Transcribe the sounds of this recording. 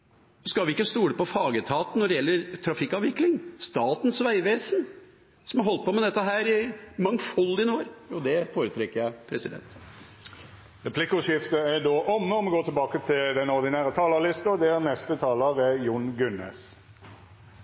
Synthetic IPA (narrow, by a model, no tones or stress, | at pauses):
ɔskɑlʋɪɪkːəst̪uːɽəpɔfɑːɡət̪ʰɑːt̪n̩ːɔɖɛjɛlːəɾt̪ʰɾɑfɪkːɑʋɪklɪŋst̪ɑːt̪n̩sʋæɪʋeːsən | sɔmhɑɾɦɔlt̪̚pɔmɛd̪ɛt̪ːəɦæːɾɪmɑŋfɔld̪ɪnoːɾud̪ɛfoːɾət̪ʰɾɛkːəɾjæɪpʰɾɛsɪd̪ɛ̰nt̪ | ʁɛpʰlɪkʊʂɪft̪əæd̪oːʔɔmːəɔmɛɡoːt̪ɪlbɑːkət̪ʰɪld̪ɛnɔɾd̪ɪnæːʁət̪ʰɑːləlɪst̪ɔd̪ɛænɛst̪ət̪ʰɑːləʁəjʊnɡʉnḛːs